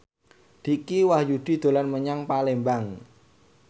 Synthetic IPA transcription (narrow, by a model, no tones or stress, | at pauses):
d̪̥i̤kiwahjud̪̥i̤d̪̥o̤lanməɲaŋpalembaŋ